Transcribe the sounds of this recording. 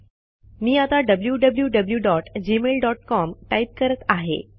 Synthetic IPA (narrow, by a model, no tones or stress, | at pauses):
miːat̪aɖəbljuɖəbljuɖəbljuɖɔʈd͡ʑimelɖɔʈkɔmʈaip̚kəɾət̪aɦḛ